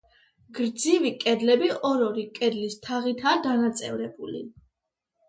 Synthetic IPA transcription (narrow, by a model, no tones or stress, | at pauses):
ɡ̥ɾd̪zivikʼɛd̪lɛbiɔɾɔɾikʼɛd̪list̪ʰaʁit̪ʰaːd̪anat̪sʼɛvɾɛbuli